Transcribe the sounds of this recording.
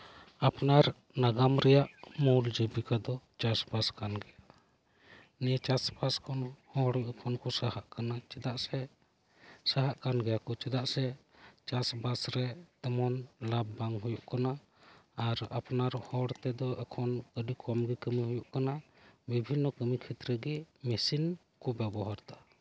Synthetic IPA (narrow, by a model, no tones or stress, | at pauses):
apnaɾ | naɡamɾɛjaʔmuld͡ʒəbikad̪ɔt͡ʃasbaskanɡɛja | niət͡ʃasbaskʰɔnhɔɽʔkʰɔnkɔsahaʔkanat͡ʃɛd̪aʔsɛ | saɦaʔkanɡɛjakɔt͡ʃɛd̪aʔsɛ | t͡ʃasbasɾɛt̪ɔmɔnlabːaŋɡɦujuʔkanaː | ɾapnaɾɔhɔɽt̪ɛd̪ɔakʰɔnkəɖikʰɔmɡɛkəmiɦujuʔkana | bibʱinːɔkəmikʰɛt̪ɾəɡɛmɛsin | kɔbɛbɔɦaɾt̪a